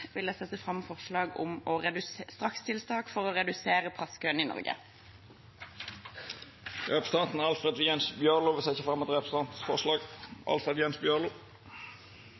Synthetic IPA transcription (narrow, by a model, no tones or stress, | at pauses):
ʋɪlæsɛt̪ːəfʁɑmːfɔʁʃlɑːɡʊ̰mɔʁɛd̪ʉsst̪ʁɑkst̪ʰɪlst̪ɑːkfɔʁɔʁɛd̪ʉseːʁəpʰʁɑskʰøːniːnɔ̰ʁɡə̰ | ɾɛpst̪ɑnt̪n̩æɑlfʁɛd̪ʋjɛnsbjøʁlʊʋɪsɪçəfʁɑmːɔt̪ʁɛpst̪ɑnt̪n̩sfɔʁʂlɑːɡɑ̰lfɾɛd̪jɛnsbjøʁlʊ